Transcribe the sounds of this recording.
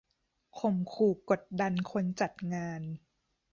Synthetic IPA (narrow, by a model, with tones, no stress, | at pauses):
kʰo˧˩mkʰuː˨˩ko˨˩t̪̚da˧nkʰo˧nt͡ɕa˨˩t̪̚ŋaː˧n